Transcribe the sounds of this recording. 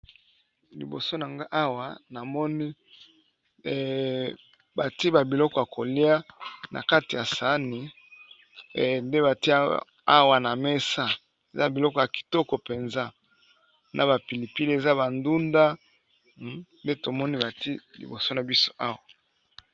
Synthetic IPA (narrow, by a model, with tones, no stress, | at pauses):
lḭ˨bo̰˨so˦na˨ŋɡa˦ʔa˦wa˨na˨mɔ˦ni˦˨ | ba˨ti˦ba˨bi˨lɔ˦kɔ˨a˨ko˨li˦a˦na̰˨ka˦ti˨ja˨sa˦ni˨ | nde˦ba˨ti˦ | a˦wa˨na˨me˦sa˦ | e˨za˦bi˨lɔ˦kɔ˨ja˨ki̥˨tɔ˦kɔ˨pe˨nza˦ | nʔa˨ba˨pi˨li˨pi˦li˨e˨za˦βa˨ndu˦nda˦ | nde˦to˨mɔ˦ni˦ba˨ti˦lḭ˨bo˨so˦na˨bi˦so̥˦ʔa˦wa˨